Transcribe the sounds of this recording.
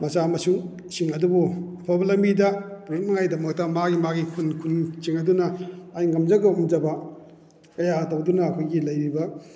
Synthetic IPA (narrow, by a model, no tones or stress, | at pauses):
mɐsamɐsuŋ | siŋɐdubuɐpʰabɐlɐmbidɐpuɾut̚nɐŋajdɐmɐk̚tɐmaɡimaɡikʰunkʰunt͡ʃiŋɐdunɐajŋɐmzɐɡɐumd͡ʒɐbɐ | kɐjatowdunɐːkʰojɡilɐjɾibɐ